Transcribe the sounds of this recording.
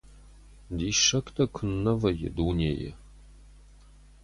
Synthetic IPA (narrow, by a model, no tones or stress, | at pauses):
d̪iːʂɐkt̪ʰʼɐkʷʰʊnːɐvɐjɪ̰d̪uːneːjɛ̰